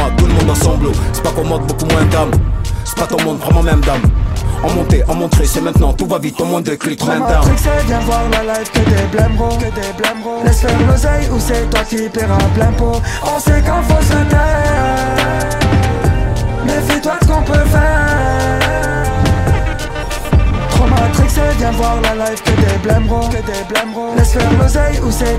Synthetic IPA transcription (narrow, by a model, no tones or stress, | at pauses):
ad̪uləmɔ̃d̪ãsɑ̃blosɛ̥pakɔ̃mɔ̃t̪̚bokumwɛ̃d̪amsɛ̥pat̪ɔ̃mɔ̃d̪vʁɛmɑ̃mɛmd̪amɑ̃mɔ̃t̪eʔɑ̃mɔ̃t̪χesɛmɛ̃t̪̚nɑ̃t̪uvavit̪̚t̪ːɔ̃mɔ̃d̪əklikmɛ̃td̪aiksɛbjɛ̃vwaʁlalajvkəd̪eblɛ̃ʁokd̪eblɛ̃lɛsfɛʁlozɛjusɛt̪wakipɛʁaplɛ̃poɔ̃sɛkɑ̃fosəmɛʁ | mɛsit̪wasə̥kɔ̃pøfɛʁʁ | tχɔmat̪χiksebjɛ̃vwaʁlalajvkəd̪eblɛ̃mʁokəd̪eblɛmʁolɛsfɛʁlozɛjuse